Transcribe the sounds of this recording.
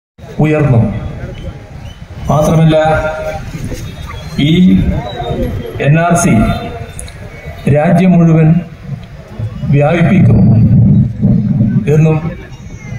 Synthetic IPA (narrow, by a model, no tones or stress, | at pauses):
ujɐrnːum | maːt̪rɐmilːɐ | iː | e̞nːaːrsi | ɾaːd͡ʑjɐmuɻuʋɐn | ʋjaːbipːikʲːunːu | e̞nːum